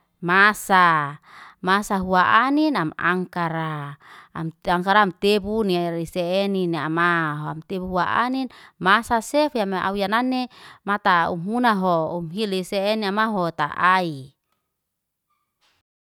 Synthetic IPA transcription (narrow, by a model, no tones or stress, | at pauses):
masa | masaɦuaʔaninama̰ŋkaɾa | maŋkaɾaːmt̪ebuniiseɛnineamaɦoamt̪ebuɦuaʔa̰ninmasasefiamaʔa̰ujananːemat̪aṵmunaɦoumɦiliseːniamaɦot̪a̰ʔai